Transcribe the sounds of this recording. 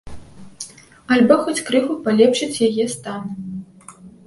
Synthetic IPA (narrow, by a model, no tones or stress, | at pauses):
ɐlʲbɔxɔt͡sʲkɾɨxupalʲɛpʂɨt͡sʲjajɛst̪anu